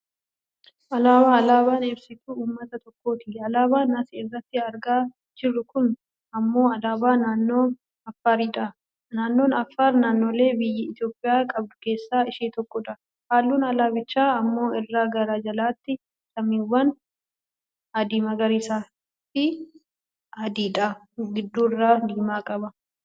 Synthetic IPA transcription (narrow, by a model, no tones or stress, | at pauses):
ʔɐlaːbaːɐlaːβaːneːɾsɪt̪uuːmːɐt̪ɐt̪ɔkːo̞ːt̪ɪɐlaːbaːnɐsɛɪrːɐt̪ːɪɐɾɡaː | d͡ʒɪrːʊkʊn | ɐmːo̞ːɐlaːbaːnaːnːo̞ː | ɐfːaːɾiːᶑa | naːnːo̞ːnɐfːaːɾnaːnːo̞ːle̞ːbɪjːɪɪt̪ɪjo̞ːpʼːɪjaːkʼɐb̚d̪ʊ̥ke̞ːsːaːɪʃiːt̪ɔkːɔᶑ̪ɐ | haːlːuːnɐlaːbɪt͡ʃːaːɐmːo̞ːɪrːaːɡɐɾaːd͡ʒɐlaːt̪ːɪ | sɐmiːwːɐn | ɐd̪iːmɐɡɐɾiːsaː | t̪ːɪ | ɐd̪iːᶑ̪a | ɡɪd̪ːuːɪrːaːd̪iːmaːkʼɐbɐ